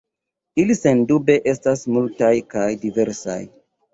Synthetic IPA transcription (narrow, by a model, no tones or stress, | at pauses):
ilise̞ndube̞ʔe̞stasmultajkajdive̞ɾsa̰j